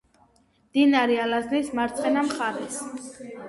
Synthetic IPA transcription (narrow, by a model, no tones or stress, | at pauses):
md̪̥inaɾialasnismaɾt̪sʼqʼɛnamχaɾɛs